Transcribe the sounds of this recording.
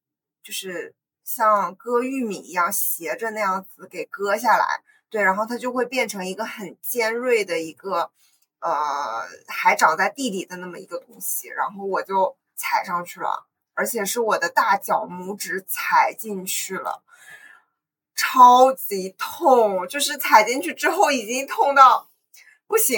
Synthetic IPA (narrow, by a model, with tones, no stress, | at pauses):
t͡ɕjo˥˧ʊʂɻ̩˥˧ | ɕjɑ˥˧ŋkɤ˥y˥˩mi˨˩i˧˥jɑ˥˩ŋɕjɛ˧˥ʈ͡ʂə˧na˥˧jɑ˥˩ŋd͡zɹ̩˨˩ke˨˩ɪkɤ˥ɕ̬ja˥˩la̰˧˥ɪ | t̪we˥˩ɪɻa˧˥nxo˥˩ʊt̪ʰa˥t͡ɕjo˥˧ʊxwe˥˧ɪpjɛ˥˩nʈ͡ʂʰɤ˧˥ŋi˧˥ɡə˧xə˨˩nt͡ɕjɛ˥nɻwe˥˩ɪd̪ə˩i˧˥ɡə˧ | ə˧˩ | xa˧˥ɪʈ͡ʂɑ˨˩ŋt͡sa˥˧ɪt̪i˥˩li˨˩d̪ə˦na˥˩mə̰˨˩ḭ˧˥ɡə˧t̪ʊ˥ŋɕḭ˨˩ɻa̰˧˥nxo˥˩ʊwɔ˨˩t͡ɕjo˥˧ʊ | t͡sʰa˨˩ɪʂɑ˥˧ŋt͡ɕʰy˥˩lə̰˩ | ə˞˧˥t͡ɕʰjɛ˨˩ʂɻ̩˥˩wɔ˨˩d̪ə˦t̪a˥˩t͡ɕjɑ˨˩ʊmu˧˥ʈ͡ʂɻ̩˧˥t͡sʰa˨˩ɪt͡ɕi˥˧ŋt͡ɕʰy˥˩lə̰˩ | ʈ͡ʂʰɑ˥ʊt͡ɕi˧˥t̪ʰʊ˥˩˧ŋt͡ɕjo˥˧ʊʂɻ̩˥˩t͡sʰa˨˩ɪt͡ɕi˥˧nt͡ɕʰy˥˩ʈ͡ʂɻ̩˥xo˥˩ʊi˨˩t͡ɕi˥ŋt̪ʰʊ˥˧ŋt̪ɑ˥˩ʊ | pu˥˩ɕi˧˥ŋ